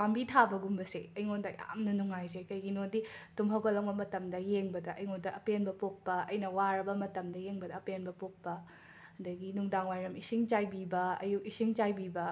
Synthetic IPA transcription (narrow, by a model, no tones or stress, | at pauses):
pambitʰabɐɡumbɐsḛɐjŋondɐja̰mnɐnuŋajzekɐjɡinonditumɦɐwkɐlɐŋbɐmɐtɐmdɐjeŋbɐdɐʔɐjŋondɐʔɐpenbɐpok̚pɐɐjnɐwaɾɐbɐmɐtɐmdɐjeŋbɐdɐːpenbɐpok̚pɐ | ɐdɐɡinuŋdaŋwajɾɐmisiŋt͡ʃajbibɐɐ̰jukisiŋt͡ʃajbibɐ